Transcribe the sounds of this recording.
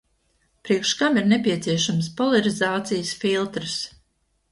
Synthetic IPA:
pɾiɛkʃkamiɾnepʲiɛt̪siɛʃaməspɔlaɾizaːt̪sijsfilˠt̪ɾɨs

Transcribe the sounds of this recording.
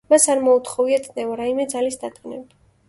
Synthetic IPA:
masaɾmɔut̪χɔviat̪sʼnɛvaɾaimɛd̪zalisd̪at̪ʼqʼnɛbd̪a

